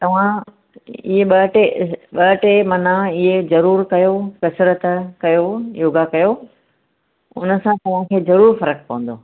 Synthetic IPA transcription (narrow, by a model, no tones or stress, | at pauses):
t̪ɐʋ̤ã | iɦeɓɐʈeɓɐʈemɐnãɪɦezɐɾuːɾkɐjokɐsɾət̪kɐjojoːɡakɐjo | ʊnə̆sãt̪ɐʋ̤ãkʰeːzɐɾuːɾfɐɾəkpɐ̃ʋə̃n̆d̪oː